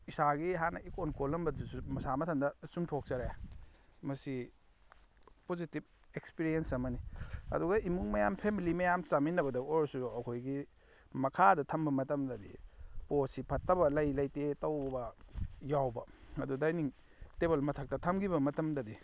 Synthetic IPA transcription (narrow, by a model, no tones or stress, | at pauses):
isaɡiɦanɐʔikonkolɐmbɐdusumɐsamɐtʰɐndɐsumtʰok̚t͡ʃɐɾaj | mɐsi | pozitib̚ | ekspiɾiensɐmɐniɐ̰duɡɐimuŋmɐjampʰemilimɐjamt͡ʃaminɐbɐdɐoɾsuɐkʰojɡi | mɐkʰadɐtʰɐmbɐmɐtɐmdɐdḭposipʰɐtːɐbɐlɐjlɐjtetɐwbɐjawbɐɐdudajniŋ | teβelmɐtʰɐk̚tɐtʰɐmɡibɐmɐtɐmdɐdi